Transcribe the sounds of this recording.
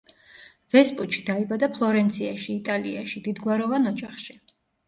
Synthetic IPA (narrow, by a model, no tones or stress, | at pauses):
v̥ɛspʼuʃʰi̥d̪aibad̪apʰlˠɔɾɛnt̪sʰiaʃiːt̪ʼaliaʃid̪id̪ɡwaɾɔvanɔd͡ʒaχʃi